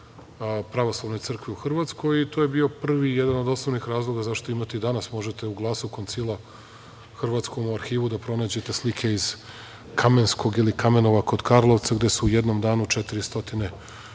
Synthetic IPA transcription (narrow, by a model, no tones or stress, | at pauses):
pɾaʋoslˠaʋno̞jt̪sr̩kʋiuxr̩ʋat̪sko̞jit̪oːjebio̞pr̩ʋijed̪anod̪oslˠoʋnixɾaːzlˠo̞ɡazaʃt̪o̞imat̪eid̪anasmo̞ʒet̪euɡlˠaːsuko̞nt̪silˠa | xr̩ʋat̪sko̞muaɾxiːʋud̪apɾo̞naːd͡ʑe̞t̪e̞slikʰe̞iz | kamensko̞ɡilikame̞no̞ʋakod̪kaɾlˠoʋt̪saɡd̪e̞suujed̪no̞md̪aːnut͡ʃet̪iɾist̪o̞t̪ine